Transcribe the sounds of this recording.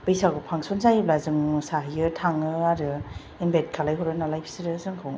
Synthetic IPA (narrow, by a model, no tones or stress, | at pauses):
bɯjsaɡɯpʰaŋsɔnzajiblazɯŋsaɦijɯtʰaŋɯaɾɯ | inbet̚kʰalajɦɔɾɯnalajpʰi̥siɾɯzɯŋkʰɯw